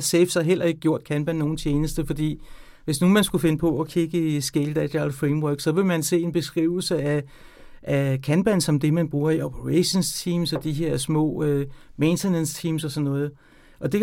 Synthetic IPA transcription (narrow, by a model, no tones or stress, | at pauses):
sefsɑɦel̰ɐe̝ɡ̥əɡjo̝ɐ̰d̥̚kʰænb̥ænːo̝ːn̩t͡ɕʰeːnəsd̥əfɒ̽d̥ḭː | ʋe̝snuːmænsɡ̥ufe̝nəpʰɒ̽ɒ̽kʰiɡ̥əisɡ̥eld̥ædælfʁemwœɡ̥sɒ̽ʋe̝mænse̝̰ːe̝nb̥e̝sɡ̥ʁḭːʊ̰l̩səæ | ʔækʰænb̥ænsɒ̽md̥e̝mænb̥ʁuːɐiopʰəʁæɕo̝nst͡sʰiːmsɒ̽d̥iɦe̝ɐ̰smɔ̰̽ːøment͡sʰenenst͡sʰiːmsɒ̽sɒ̽nːɔ̽ːð̞̩ˠ | ʔɒ̽d̥e̝